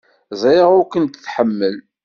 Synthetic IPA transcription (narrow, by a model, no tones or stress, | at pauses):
zˤiʁʊkənt̪θħəmːəl